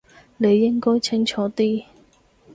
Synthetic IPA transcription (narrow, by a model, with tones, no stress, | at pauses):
ne˨˧jːɪ˥ŋkɔː˥jt͡sʰɪ˥ŋt͡ʃʰɔː˨˥t̪iː˥